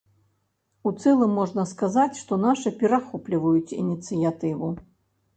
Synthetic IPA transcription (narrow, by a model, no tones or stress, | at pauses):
ut̪sɛlˠɨmːɔʐnɐskazat͡sʲʂt̪ɔnaʂɨpʲɛɾaxɔplʲivɐjut͡sʲḭnʲit̪sɨjat̪ɨvu